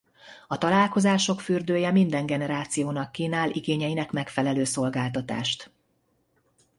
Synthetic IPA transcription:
ɒt̪ɒlaːlko̞zaːʃo̞kfyrd̪øːjɛmind̪ɛŋɡɛnɛɾaːt̪sijoːnɒkːiːnaːlʔiɡeːɲɛjinɛkmɛkfɛlɛløːso̞lɡaːlt̪ɒt̪a̰ːʃt̪

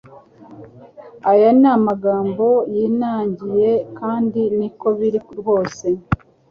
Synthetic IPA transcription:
ajanamaɡaːmbo̞jiːnaːɲɟije̞kaːndiniko̞βiɾiɾho̞ːse̞

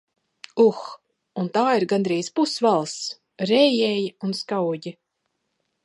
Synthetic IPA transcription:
ux | unt̪aːiɾɡand̪ɾiːspusvalˠs | ɾɛjɛːjiunskawɟʲi

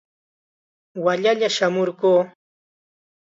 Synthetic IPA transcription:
waʎaʎaʃamoɾɢuː

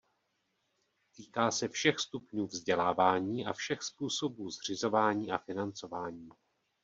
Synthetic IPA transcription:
t̪iːkaːsɛfʃɛxst̪upɲuːvzɟɛlaːvaːɲiːʔa̰fʃɛxspuːso̞buːzr̝ɪzo̞vaːɲiːʔafɪnant͡so̞vaːɲiː

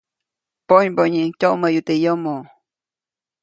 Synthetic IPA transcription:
poɲboɲiŋcʲoməjut̪ejomo

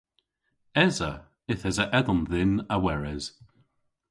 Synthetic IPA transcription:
ɛzə | ɪθɛzəʔɛðɔnðɪnəwɛɹɛz̥

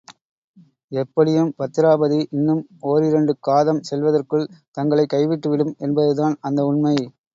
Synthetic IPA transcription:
ɛpːɐɽɪjɯmpɐt̪ːɪɾaːbɐðiʔɪnːɯmoːɾɪɾɐɳɖɯkaːðɐmsɛlʋɐðɐrkɯɭt̪ɐŋɡɐɭɐɪkːɐɪʋɪʈːɯʋɪɽɯmɛnbɐðɯðaːnɐnd̪ɐʊɳnmɐɪ

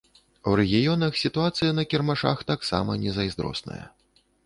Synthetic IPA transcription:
wɾɛɣʲijɔnɐxsʲit̪uat̪sɨjɐnɐkʲɛrmaʂa̰xt̪aksa̰mɐnʲɛzɐjzd̪ɾɔ̰snɐ̰jɐ̰

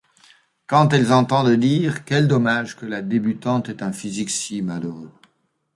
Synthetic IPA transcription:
kɑ̃t̪ɛlzɑ̃t̪ɑ̃d̪əd̪iːʁkɛld̪ɔmaʒkəlad̪ebyt̪ɑ̃t̪ɛt̪ɛ̃fiziksimaløʁø

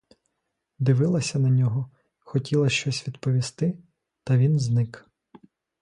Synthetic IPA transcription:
d̪ɪʋɪlˠɐsʲɐnɐnʲɔɦɔ | xɔtʲilˠɐʃt͡ʃɔsʲʋʲid̪pɔʋʲist̪ɪ | t̪ɐʋʲinznɪk

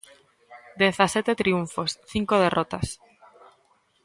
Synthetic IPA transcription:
d̪eθaset̪et̪ɾiuɱfosθiŋkoð̞erʔot̪as

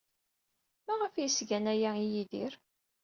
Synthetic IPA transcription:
mæʁəfjəsɡænæjæijiðiɾ

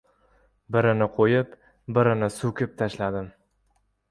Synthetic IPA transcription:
bɪɾɪnɪqʰojɪp | bɪɾɪnɪsukʲʰɪp̚t̪ʰaʃlad̪ɪm

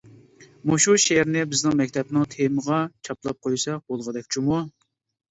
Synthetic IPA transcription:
muʃuʃɛɾnɪbɪznɪŋmɛkʲt̪ʰɛpnɪŋt̪ʰeməʁɑt͡ʃʰɑplˠɑp̚qʰojsɑbolˠʁəd̪ɛkʲt͡ʃʰumu

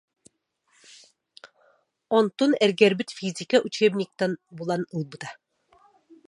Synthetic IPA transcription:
ont̪unɛɾɡɛɾbɘt̪fizʲikaʔut͡ʃebnʲik̚t̪ɑnbulˠɑnɯlˠbud̪a

